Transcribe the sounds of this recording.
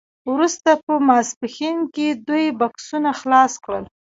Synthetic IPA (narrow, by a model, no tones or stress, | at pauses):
wɾust̪apəmɑspɪxinked̪ujbaksunaxlɑskɽəl